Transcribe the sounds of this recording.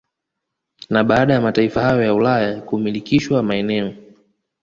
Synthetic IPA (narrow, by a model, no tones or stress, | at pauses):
naɓaːɗajamataifahajɔjaulajakumilikiʃwamaɛnɛɔ